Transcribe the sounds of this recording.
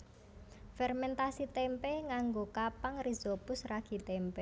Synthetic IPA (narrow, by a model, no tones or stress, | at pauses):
fɛrmɛnt̪asit̪ɛmpɛŋaŋɡokapaŋrizopʊsraɡ̥i̤t̪ɛmpɛ